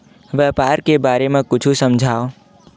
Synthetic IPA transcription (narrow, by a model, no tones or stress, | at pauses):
ʋɛpaɾkebaɾemẽkʊt͡ʃʰusəmd͡ʒʱao